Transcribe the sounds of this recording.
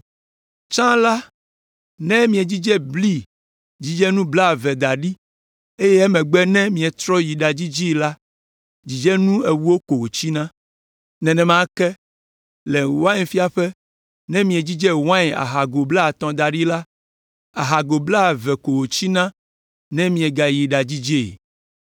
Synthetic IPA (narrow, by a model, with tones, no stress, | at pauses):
t͡ʃã˦la˦ | nɛ̃˦mĩ˨ɛ˨d͡ʑi˦d͡ʒɛ˦bli˦ | d͡ʑi˦d͡ʒɛ˦nũ˦bla˦˨vɛ˨d̪a˨ɖi˦ | e˦jɛ˦ɛ˦mɛ̃˨ɡ͡bɛ˦nɛ̃˦mĩ˨ɛ˨t̪ɾɔ˦ji˨ɖa˨d͡ʑi˦d͡ʑi˦la˦ | d͡ʑi˨d͡ʒɛ˦nũ˦e˨wu˦wo˦ko˨wo˨t͡ɕi˦nã˦ | nɛ̃˨nɛ̃˨mã˦kɛ˦ | lɛ˨wã˦ɲ˨fi˦a˨ɸɛ˦ | nɛ̃˦mĩ˨ɛ˨d͡ʑi˦d͡ʒɛ˦wã˦ɲ˨a̰˨ɦa˨ɡo˨bla˦˨t̪ɔ̃˨d̪a˨ɖi˦la˦ | a˨ɦa˨ɡo˨bla˦˨vɛ˨ko˨wo˨t͡ɕi˦nã˦ | nɛ̃˦mĩ˨ɛ˨ɡa˨ji˨ɖa˨d͡ʑi˦d͡ʒe˦˨